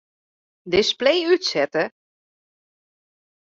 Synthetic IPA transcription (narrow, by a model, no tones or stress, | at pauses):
dɪsplejytsɛtə